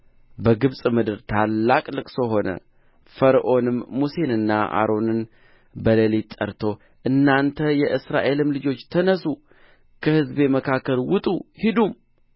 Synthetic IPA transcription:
bəɡɨβsʼmɨd̪ɨɾt̪ʰalːakʼlɨkʼsoɦo̞nə̰ | fəɾʔo̞nɨmːuse̞nɨnːa̰ʔa̰ɾo̞nɨn | bələlet̪ʼːə̰ɾt̪ʰo̞ | ʔɨnːant̪ʰəjɛʔɨsɾaʔe̞lɨmlɨd͡ʒo̞t͡ʃːt̪ʰənəsu | kʰəhɨzbe̞məkʰakːəlwʊt̪ʼuhid̪um

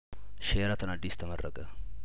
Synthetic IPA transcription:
ʃeɾat̪ʰɨnad̪ːist̪ʰəmɐrːə̰kʼə

